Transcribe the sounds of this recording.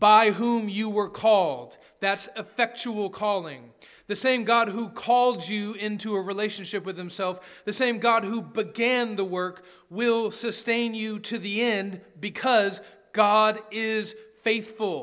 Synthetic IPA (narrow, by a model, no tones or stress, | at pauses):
b̥aɪɦũmjɨwə˞kʰɔlˠd̚ | ðætsɨfɛk̚t͡ʃul̩ˠkʰɔlˠɪ̃ŋ | ðɨsẽɪ̃mɡɑd̚ɦukʰɔlˠd͡ʒɨɪ̃ntʰʉəɹileɪʃɨ̃n̩ʃɪpwɨð̥hɨ̃msɛlˠfðɨsẽɪ̃mɡɑd̚ɦubɨɡæ̃nðəwɜ˞k | wɪlˠsɨstẽɪ̃njɨɾɨðiɛ̃nbɨkʰʌz | ɡ̥ɑɾɪz̥feɪθfl̩ˠ